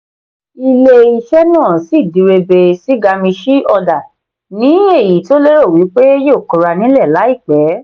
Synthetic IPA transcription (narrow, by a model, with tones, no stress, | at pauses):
i˧le˧i˧ʃɛ˦nãː˦˨si˦˨di˨ɾe˧be˧si˦ɡa˧mĩ˧ʃi˦ɔ˧da˨ | nĩ˨˦e˦˨ji˨˦to˨˦le˦ɾo˦˨wi˨˦k͡pe˦jo˦o˨kɔ˨ɾa˧nĩ˦lɛ˦˨la˨˦i˦˨k͡pɛ˨˦